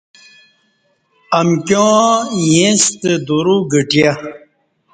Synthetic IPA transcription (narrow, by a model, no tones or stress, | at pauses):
ɐmkjõːjẽst̪əd̪uɾuɡəʈja